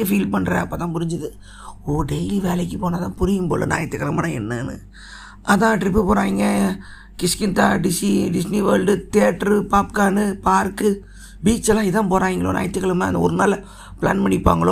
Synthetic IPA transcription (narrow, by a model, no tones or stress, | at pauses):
ɐfiːlpɐɳːɾḛ̃ːɐpːoːt̪ãːpʊɾɪɲd͡ʒɐðɯ | oːɖɛɪliʋeːlɛkːɯpoːnat̪ãːpʊɾɪjɯmpo̰ːlɯ̰na̰ːjɐt̪ːɯkːɐɭɐmaːnɐɛ̰nːɯnɯ̰ | ɐðãːʈɾɪp̬ːɯpoːɾãːŋɡɐ | kɪskɪnt̪aːɖɪsiɖɪsniʋɐːlɭɖɯt̪ɪɐʈːɐɾpaːpkaːnɯpaːɾkɯ | biːt͡ʃːɛlːãːɪðãːpoːɾãːŋɡɐɭo̰ːna̰ːjɐt̪ːɯkːɐɭɐmaːɐnd̪ɐɔ̰ɾɯnaːlɐ | pla̰ːnmɐɳɪpːa̰ːŋɡɐɭõ